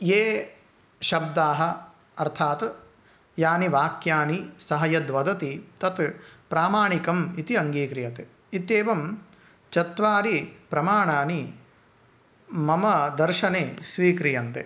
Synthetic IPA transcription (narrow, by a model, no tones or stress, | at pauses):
jeː | ʃɐb̚d̪aːɦɐ̆ | ɐɾt̪ʰaːt̪ | jaːniʋaːkjaːnisɐɦɐjɐd̪ʋɐd̪ɐt̪it̪ɐt̪pɾaːmaːɳikɐmit̪iɐŋɡiːkɾijɐt̪e | it̪eːʋɐm | t͡ʃɐt̪ʋaːɾipɾɐmaːɳaːni | mɐmɐd̪ɐɾʃɐneːsʋiːkɾijɐnt̪ḛ